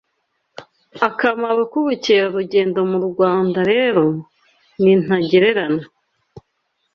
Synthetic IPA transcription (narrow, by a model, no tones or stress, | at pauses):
akamaβakuβuceɾaɾuɟe̞ːndo̞muɾuɡwaːndaɾe̞ːɾo̞ | nin̥aɟeɾe̞ɾana